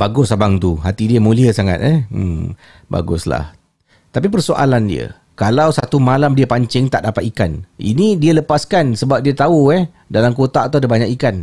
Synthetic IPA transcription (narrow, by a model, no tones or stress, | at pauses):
baɡʊsabaŋt̪uɦat̪idiəmũliəsaŋa̰t̪ɛh̩m | ba̰ɡʊ̰sla̰h | t̪ap̬ipərsoʔa̰landḭə̰ | kalawsat̪umalamdiəpaɲt͡ʃɪŋt̪aʔdapat̪ikanḭnidiələpaskansəbap̚diət̪auɛh | dalamkot̪aʔt̪udəbaɲakikan